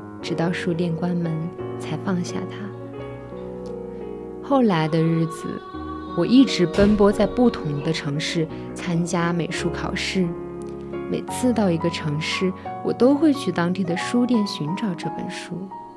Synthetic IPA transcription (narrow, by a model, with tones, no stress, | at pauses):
ʈ͡ʂɻ̩˨˩t̪ɑ˥˩ʊʂu˥t̪jɛ˥˩nkwa˥nmə˧˥nt͡sʰa˧˥ɪfɑ˥˧ŋɕja̰˥˩t̪ʰa˥ | xo˥˩ʊla˧˥ɪd̪ə˧ɻɻ̩˥˩d͡zɹ̩̰˩ | wɔ˨˩i˥˩ʈ͡ʂɻ̩˧˥pə˥npwɔ˥t͡sa˥˧ɪpu˥˩t̪ʰʊ˧˥ŋd̪ə˧ʈ͡ʂʰɤ˧˥ŋʂɻ̩˥˩ | t͡sʰa˥nt͡ɕja˥me˨˩ɪʂu˥kʰɑ˨˩ʊʂɻ̩˥˩ | me˨˩ɪt͡sʰɹ̩˥˧t̪ɑ˥˩ʊi˧˥ɡə˧ʈ͡ʂʰɤ˧˥ŋʂɻ̩˥˩wɔ˨˩t̪o˥ʊxwe˥˧ɪt͡ɕʰy˥˩t̪ɑ˥ŋt̪i˥˩d̪ə˨˩ʂu˥t̪jɛ˥˩nɕy˧˥nʈ͡ʂɑ˨˩ʊʈ͡ʂɤ˥˩pə̰˨˩nʂu˥